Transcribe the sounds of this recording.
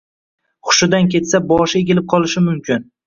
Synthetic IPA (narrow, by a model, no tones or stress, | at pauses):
χʊ̥ʃɪd̪ankʲʰe̞t̪sabɒʃɪeɡʲɪlɪp̚qʰɒlˠɪʃɪmʊmkʲʰɪn